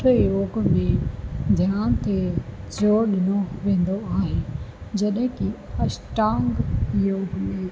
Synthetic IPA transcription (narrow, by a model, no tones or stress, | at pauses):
oːɡmẽd̪ʱjaːnt̪ʰezoːɾɗɪnoʋẽːn̆d̪oaːɦed͡ʑɐɗɦɪ̃kiɐsʈaːŋɡjoɡmẽ